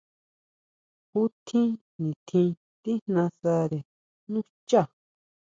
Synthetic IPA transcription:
ku˦t̪ʰĩ˦ | nĩ˨t̪ʰĩ˧ | t̪i˦n̥ã˧sa˧ɾe˨ | nũ˦t͡ʃa˦˨

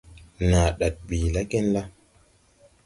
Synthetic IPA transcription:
na˨ɗa˨t̚bi˨la˦ke˦nla˦

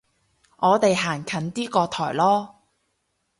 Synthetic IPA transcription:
ŋʔɔː˨˧t̪e˨jɦaː˨˩nkʰɐ˨˥nt̪iː˥kɔː˧t̪ʰɔː˨˩jlɔː˥

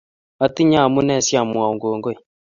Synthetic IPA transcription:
a˨ti˦ɲa˦˨mu˦nɛ˦˨sja˨mu˨a˨u˨ŋɡo˨ŋɡo˦i˨

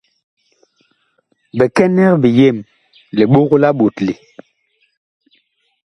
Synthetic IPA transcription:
bɛ˨kɛ˦nɛ˦ɣbi˨je˦˨m | li˨ɓo˦ɣla˦ɓo˨tli˨

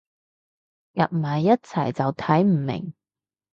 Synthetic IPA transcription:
jɐ̰˨t̚m̩˨˩hɐ˨jːɐ˥t̚t͡sʰɐ̰˨˩jt͡sɐ˨wt̪ʰɐ˨˥jm̩˨˩mɪ̰˨˩ŋ

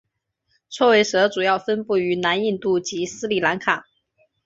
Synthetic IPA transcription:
t͡sʰwɔ˥we˧˥ɪʂɤ˧˥ʈ͡ʂu˨˩jɑ˥˩ʊfə˥npu˥˩y˧˥na˧˥ni˥˩nt̪u˥˩t͡ɕi˧˥sɹ̩˥li˨˩la˧˥nkʰa˨˩˦

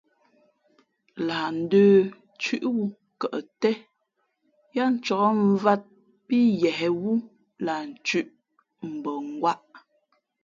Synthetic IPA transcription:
la˨n̩˨˦dəː˦ | t͡ʃʉ˦ʔwu˦ | kə˨ʔtɛ˦ | ja˦n̩˨t͡ʃɔ˨kɔ˦ɱ̩˦va˦t̚ | pi˦jɛ˨ɦɛ˨wu˦ | la˨n̩˨t͡ʃʉ˦˨ʔ | m̩˨bə˨ŋ˨ɡwa˦ʔ

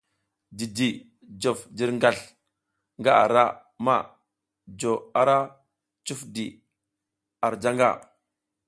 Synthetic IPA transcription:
di˨di˨ | d͡ʒo˨fd͡ʒi˦ɾŋɡa˦˨ɬ | ŋɡa˦ʔa̰˨ɾa˦ | ma̰˦˨ | d͡ʒo˨a˦ɾa˦ | t͡ʃu˦fdi˨ | a˨ɾd͡ʒa˦ŋɡa̰˦˨

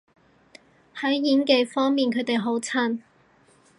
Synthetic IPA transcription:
hɐ˨˥jjiː˨˥nke˨˧jfɔː˥ŋmiː˨nkʰɵ˨˧˥t̪e˨jɦo˨˥wt͡sʰa˥n

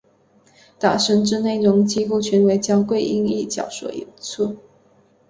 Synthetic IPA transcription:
t̪a˨˩ʂə˧˥ŋʈ͡ʂɻ̩˥˧ne˥˩ɪɻʊ˧˥ŋt͡ɕi˥xu˥˩t͡ɕʰɛ˧˥nwe˧˥ɪt͡ɕjɑ˥ŋkwe˥˧ɪʔi˥˧ŋi˥˩t͡ɕjɑ̰˨˩ʊʂwɔ̰˨˩ḭ˧˥nt͡sʰu˥˩

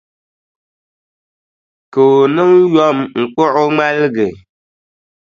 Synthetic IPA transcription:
ko˨nɨ˦ŋjɔ˦mŋ̩˨k͡pʊ˦ʔʊ˦ŋ͡ma˦lɡɨ˨

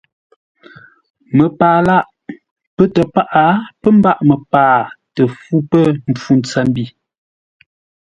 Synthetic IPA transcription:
mə˨paː˨la˦ʔ | pə˦tə˨pa˦ʔa˨˦pə˦m˦ba˦˨ʔmə˨paː˨tə˨fu˦pə˦m̩˨p͡fu˨n̩t͡sa˨m˦bi˦˨

